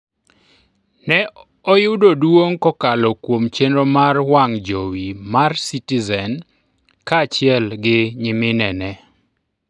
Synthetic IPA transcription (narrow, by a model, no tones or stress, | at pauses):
nɛ | ɔjʊdodwoŋkɔkalɔkwomt͡ʃenɾomarwaŋd͡ʒowimarsitizɛn | kat͡ʃɪɛlɡɪɲɪmɪnɛnɛ